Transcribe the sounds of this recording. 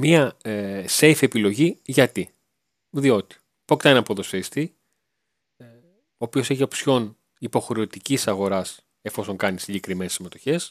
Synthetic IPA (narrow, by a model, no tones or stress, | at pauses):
miɐse̞jfe̞pilo̞ʝiʝɐt̪i | ðio̞t̪i̥ | poct̪ɐnnɐpoðo̞sest̪i | o̞ːpio̞seçio̞psço̞n | ipo̞xɾe̞ot̪icisɐɣo̞ɾɐs | e̞fo̞so̞ŋkɐnisiɟe̞kɾime̞nesime̞t̪o̞çe̞s